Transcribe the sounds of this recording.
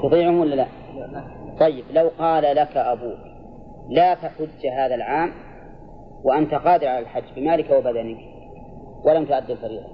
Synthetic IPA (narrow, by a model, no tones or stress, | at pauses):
t̪ɑðˤiːʕʊhmwɪlːala | t̪ˤɑjːɪblawqɑːlalakaʔabuːk | laːt̪aħʊd͡ʒːɦaːðalʕaːm | waʔant̪aqɑːd̪ɪɾʕalalħad͡ʒːbɪmaːlɪkawabad̪anɪk | walamt̪ʊʔad̪ːɪlfaɾiːɣa̰